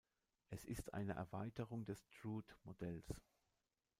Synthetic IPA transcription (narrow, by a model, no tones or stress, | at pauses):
ʔɛsɪstʰʔa̰ɪnəʔɛ̰ɐvaɪtəʁʊŋdɛstʁuːtmodɛls